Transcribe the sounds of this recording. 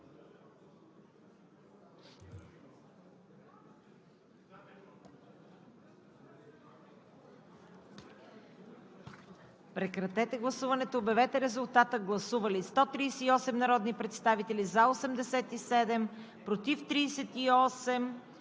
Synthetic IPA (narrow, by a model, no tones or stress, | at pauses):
pɾɛkɾɐt̪ɛt̪ɛɡlˠɐsuvɐnɛt̪oːbɛvɛt̪ɛɾɛzʊlˠt̪at̪əɡlˠɐsuvɐlist̪ɔt̪ɾiːsɛiɔsɛmnɐɾɔd̪nipɾɛt̪st̪avit̪ɛlizaosɛmd̪ɛsɛt̪isɛd̪ɛm | pɾot̪ift̪ɾiːsɛt̪iɔsɛm